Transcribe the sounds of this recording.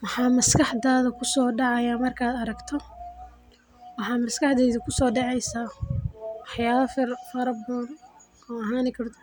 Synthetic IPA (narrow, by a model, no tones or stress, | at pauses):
wɑħɑːmɐskʰɑħd̪aːðɐkʰʊsɔːɖɑʕɑjaːmɐrkʰaːd̪ɐɾɐɡt̪ʰɔ | wɑħɑːmɐskʰɑħd̪ɛjðʊkʰʊsɔːɖɛʕɛjsaː | wɑħjaːβɐfɪrfɐɾɐbɔːl | ɔːɐɦaːnɪkʰɐɾd̪